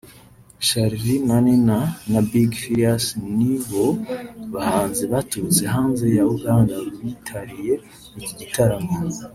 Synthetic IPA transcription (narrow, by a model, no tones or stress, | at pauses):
ʃaɾiɾimaninanabiɡfiasniβoβahaːnzeβatut͡seɦaːnzejauɡaːŋɡaitʰaɾije̞ | iɟiɟitaɾamo